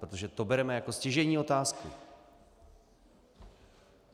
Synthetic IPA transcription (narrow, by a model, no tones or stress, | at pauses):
pɾot̪o̞ʒɛt̪o̞bɛɾɛmɛjako̞scɛʒɛɲiːo̞t̪aːskṵ